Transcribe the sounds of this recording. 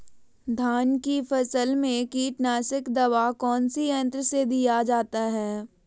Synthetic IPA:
d̪ʱaːnkifɐsəlmẽkiːʈnaːsɪkd̪ɐʋakɔːnsijɐ̃nt̪ɾəsed̪ijad͡ʒaːt̪aɦɛː

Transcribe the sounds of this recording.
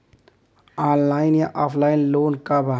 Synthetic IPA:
aːnlaːɪnjaʔaːpʰlaːɪnloːnkaba

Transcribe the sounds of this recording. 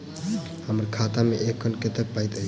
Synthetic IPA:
həməɾkʰat̪ameʔekʰːənket̪ək̚pajt̪ə

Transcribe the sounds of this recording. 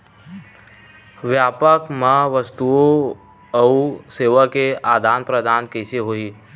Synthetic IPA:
ʋjaːpəkmãʋəst̪uo | ɐuseːʋəkeaːd̪ʱaːnpɾəd̪aːnkɛːseɦoːiː

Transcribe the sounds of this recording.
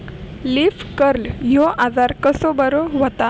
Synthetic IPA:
lifkəɾljoʔad͡zaɾkəsobəɾoʋət̪a

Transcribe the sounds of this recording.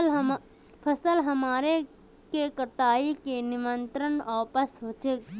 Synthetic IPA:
pʰəsəlɦɐmaːɾe | kekɐʈaːikenɪmənt̪ɾənɔːpəsɦoːt͡ʃek

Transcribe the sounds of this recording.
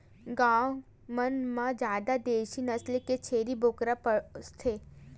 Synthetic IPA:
ɡãw | mənmãd͡ʒjaːd̪ad̪eːʃinəsleket͡ʃʰeːɾibʱoːkɾapəst̪ʰeː

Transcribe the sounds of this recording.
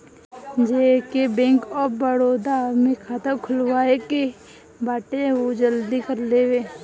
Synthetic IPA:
d͡ʒeːkebẽːŋkɔːbəɽoːd̪amẽkʰaːt̪əkʰʊlwaːeki | baːʈeod͡ʒəld̪ikəɾleːweː

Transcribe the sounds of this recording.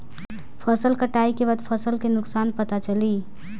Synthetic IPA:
pʰəsəlkəʈaikebət̪pʰəsəlkenʊksanpət̪at͡ʃəli

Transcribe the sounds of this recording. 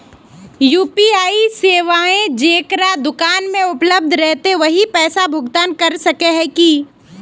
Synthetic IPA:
juːpiaːiseːʋaːẽd͡ʒeːkɾad̪ʊkaːnmẽʊpləb̚d̪ʱɾɛɦt̪eʋɐɦipɛːsabʱʊɡt̪aːnkɐɾsɐkeɦɛ̃ki

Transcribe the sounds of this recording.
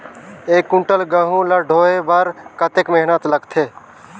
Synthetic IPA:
eːkːʊ̃ɳʈəlɡəɦũləɖʱoːebəɾkət̪ekmeɦnət̪ləɡt̪ʰeː

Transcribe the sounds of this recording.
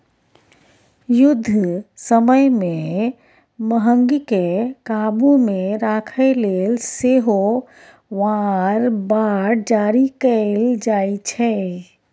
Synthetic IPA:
jʊd̪ʱːsəməjmẽ | məɦə̃ŋɡikekaːbumẽɾaːkʰɛleːlseɦo | ʋaɾbaːɾd͡ʒaːɾikəld͡ʒaːit͡ʃʰɛ

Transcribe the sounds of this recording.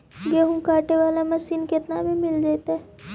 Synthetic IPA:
ɡeːɦũkaːʈeʋaːlamɐsiːnkɪt̪nabʱimɪld͡ʒaːt̪ɦɛ

